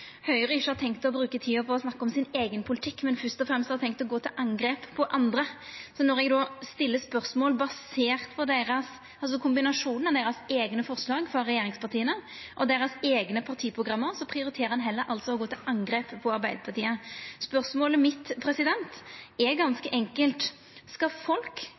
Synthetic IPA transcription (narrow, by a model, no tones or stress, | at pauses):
hœʏʁəɪʃːəhɑɾt̪ʰɛŋkt̪ɔbɾʉːkət̪ʰiːɔpʰɔɔsnɑkːəɔmsɪneːɡənpʰʊlɪt̪ʰɪkːmɛnfœst̪ɔfɾɛmst̪hɑɾt̪ʰɛŋkt̪ɔɡoːt̪ʰɪlʔɑŋɡɾeːppʰɔʔɑnd̪ɾəsɔnɔɾɛɡd̪ɔːst̪ɪlːəspœʁsmoːlbɑseːʁt̪pʰɔd̪eɪɾɑs | ɑls̬ɔkʰʊmbɪnɑʂuːnnɑʋd̪eːɾɑseːɡnəfɔʁslɑːɡfɔɾɛjeːɾɪŋspɑʁt̪ʰiːənə | ʔɔd̪eːɾɑseːɡnəpʰɑʁt̪ʰiːpʰɾʊɡɾɑmːəɾsɔpʰʁɪʊɾɪt̪ʰeːɾəɑnɦɛlːəɾʔɑlt̪sɔɔɡoːt̪ʰɪlɑŋɡɾeːpːʰɔɑɾbæɪd̪əpʰɑʁt̪iːəspœʁsmoːləmɪt̪pʰɾɛsɪd̪ɛnt̪ɛɡɑnskəʔɛŋkəlt̪ | skɑfɔlk